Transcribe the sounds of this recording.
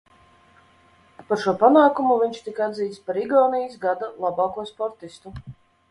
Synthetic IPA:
paɾʃuɔpanaːkumuvʲiɲʲt͡ʃt̪ikaad̪ziːt̪spaɾiɡɔːnijisɡad̪alˠabɑːkuɔspɔɾt̪ist̪u

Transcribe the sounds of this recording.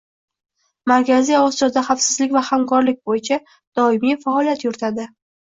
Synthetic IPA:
maɾkʲʰazijɒsijɒd̪aχafsɪzlɪkʲvahamkʰɒɾlɪk̚ʲbojɪt͡ʃʰa | d̪̥ɒɪmijfaɒlijat̪jʊɾɪt̪ʰad̪ɪ

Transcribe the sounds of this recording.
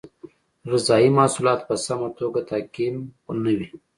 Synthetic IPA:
ɾɪzɑimɑsulɑt̪pəsamat̪oɡat̪akinnəwi

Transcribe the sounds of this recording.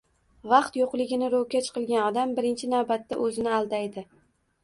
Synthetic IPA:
vɑqt̪joqlˠɪɡʲɪnɪɾowkʲat͡ʃʰqʰɨlˠɡʲanɒd̪ambɪɾɪnt͡ʃʰɪnawbat̪ːa̰ʔɵzɪnɪalˠd̪ajd̪ɪ

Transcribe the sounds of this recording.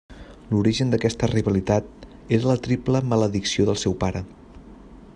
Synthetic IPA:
luɾiʒənd̪əkɛst̪əriβəlit̪at̪̚ | eɾlət̪ɾipləmələðiksioðəlˠsɛwpaɾə

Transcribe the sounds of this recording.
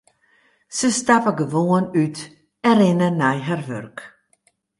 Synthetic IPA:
səstapəɡəvoənyt | ɛɾɪnənɛjɦarvørk

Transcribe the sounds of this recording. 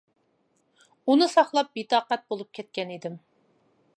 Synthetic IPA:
unɨsɑχlˠɑp̚bit̪ɑːqɛt̪̚bolˠup̚kʲʰɛt̪̚kʲɛnid̪ɪm

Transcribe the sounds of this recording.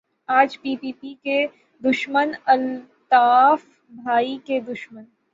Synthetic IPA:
aːd͡ʒpiːpiːpike | d̪ʊʃmənɐl | t̪aːf | bʱaːiked̪ʊʃmən

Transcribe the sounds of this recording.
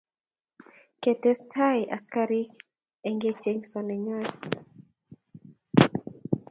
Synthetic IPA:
kɛtɛstʰajʔaskaɾik | ɛŋɡɛt͡ʃɛɲsɔnɛɲaj

